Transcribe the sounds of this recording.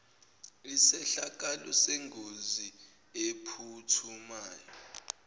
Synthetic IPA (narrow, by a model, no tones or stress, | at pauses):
isɛɬak̬ʼalɔ̰seŋɡʱozi | epʰutʰumaːjɔ